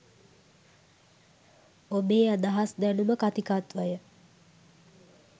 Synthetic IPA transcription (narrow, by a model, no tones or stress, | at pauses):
obeːad̪aɦasd̪ænuməkat̪ikat̪ʋajə